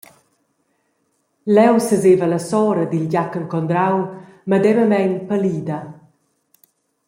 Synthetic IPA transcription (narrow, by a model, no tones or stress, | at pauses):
lɛwsəzevələsɔɾəd̪ilɟakəŋkɔnd̪ɾawməd̪ɛvəmɛɲpəliːd̪a